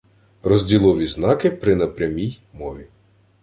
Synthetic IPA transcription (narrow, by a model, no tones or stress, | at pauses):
rɔzʲdʲilˠɔʋʲiznɑkɪpɾɪnɐpɾʲɐmʲij | mɔʋʲi